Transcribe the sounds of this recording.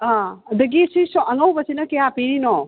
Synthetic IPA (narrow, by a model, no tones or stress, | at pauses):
aɐd̪ɐɡisisɔʔɐŋɐwbɐsinɐkejapeɾino